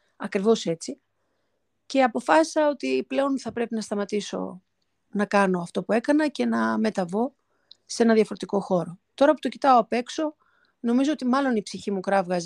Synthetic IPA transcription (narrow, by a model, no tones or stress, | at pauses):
ɐkɾivo̞se̞t͡si | ce̞ɐpo̞fɐsi̥sɐo̞t̪iple̞o̞nθɐpɾe̞pinɐst̪ɐmɐt̪iso̞̰ | nɐkɐno̞ɐft̪o̞pue̞kɐnɐce̞nɐme̞t̪ɐvo̞ | seenɐðjɐfoɾe̞t̪iko̞xo̞ɾo̞t̪o̞ɾɐpu̥t̪o̞cit̪ɐoɐpe̞kso̞ | no̞mizo̞ot̪imɐlo̞nipsiçimukɾɐvɣɐz